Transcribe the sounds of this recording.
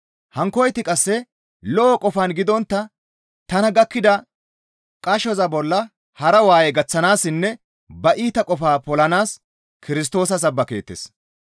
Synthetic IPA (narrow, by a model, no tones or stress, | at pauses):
hɐŋkɔjt̪ɪkʼɐsːɛ | lɔʔɔkʼɔfanɡɪd̪ɔnt̪ːɐ | t̪ɐnɐɡɐkːɪd̪ɐ | kʼɐʃɔzɐbɔlːɐ | hɐɾɐwaːjɛɡɐt͡sːɐnaːsːɪnːɛ | bɐʔiːt̪ɐkʼɔfaːpɔlɐnaːs | kɪɾɪs̬t̪o̞ːsɐs̬ɐbːɐke̞̰ːt̪ːḛːs